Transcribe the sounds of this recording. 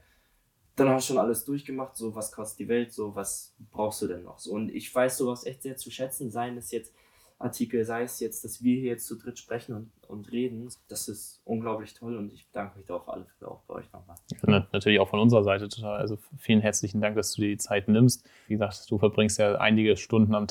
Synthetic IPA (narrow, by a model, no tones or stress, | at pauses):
d̥anhaʃoːnʔaləsd̥ʊɐçɡ̥əmaχtz̥oːvaskʰv̥ɔst̚d̥iːvɛltz̥oːvasb̥ʁaʊxstd̥uːdɛnːɔ̰χz̥oːʊntʔɪ̰çv̥aɪsz̥oːvaʊsʔɛçtz̥eːɐt͡suʃɛt͡sn̩zaɪnɪsjɛt͡st | ʔaɐtʰiːkl̩zaɪəsjɛt͡sd̥asv̥iːɐhiːɐjɛt͡st͡sudʁɪtʃpʁ̥ɛçn̩ʊnʊ̰ntʁeːdn̩d̥asɪstʔʊnɡlaʊplɪçtʰɔlʊntɪçb̥əd̥aŋkəmɪçd̥ʁaʊfʔa̰ləfɪtəʔa̰ʊb̥aɪʔɔ̰ʏçnɔ̰χmaːljaanatʰyːɐlɪçaʊfɔnʔʊnzəʁɐzaɪtətʰo̥tʰaːlʔa̰lzofiːlənɦɛɐt͡slɪçn̩daŋk̚d̥asd̥uːdit͡saɪtnɪmst̚ | viːɡəzaːk̚td̥uːfɛɐbʁɪŋstjaːʔa̰ɪnɪɡəʃtʊndn̩am